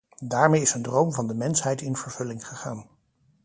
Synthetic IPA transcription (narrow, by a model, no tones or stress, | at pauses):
daːɹmejɪsəndrowmvɑndəmɛnsɦɛjtɪnv̥əɹv̥ɵlɪŋχəχa̰ːn